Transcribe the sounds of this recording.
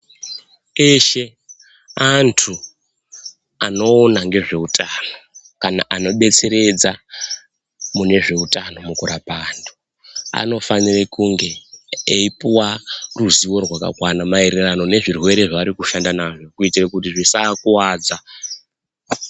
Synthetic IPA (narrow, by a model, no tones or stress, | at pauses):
eʃe̞ | antʰu | ano̞ːnaŋɡe̞ʐe̞utʰano̞ | kana̰ʔano̞ɓe̞t͡se̞ɾe̞d͡za | mune̞ʐe̞utano̞mukuɾapaːndo | a̰no̞fanirekuŋɡe̞ːipiwaruziwo̞rwaka̰kwanamaiɾirano̞ne̞ʐirwe̞ɾe̞ʐaːɾikuʃandanaʐo̞kuitirakutiʐisaːkuwaːd͡za